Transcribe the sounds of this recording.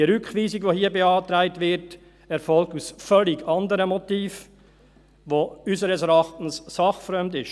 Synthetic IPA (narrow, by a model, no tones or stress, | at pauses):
iəɾʏkχʋiːsiɡʋohiəbeɑːtɾæɪtvɪɾt | ɛɾfɔlk̚tusfœliɡɑndəɾəmɔtiːf | ʋoysəɾəsɛɾɑχtn̩sːɑχfɾœmdɪʃ